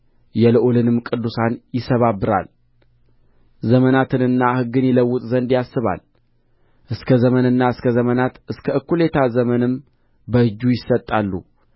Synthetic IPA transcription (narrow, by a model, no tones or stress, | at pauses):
jɛlɨʔolɨnɨmkʼɨd̪ːusanjɪsəβabːɨɾa̰l | zəmənat̪ʰɨnɨnːahɨɡːɨnjɛləwːʊt̪ʼzənd̪jasːɨβa̰l | ʔɨskʰəzəmənɨnːaɨskʰəzəmənat̪ɨskʰəɨkːule̞t̪ʰazəmənɨm | bəhɨd͡ʒːujɪsət̪ʼːalːṵ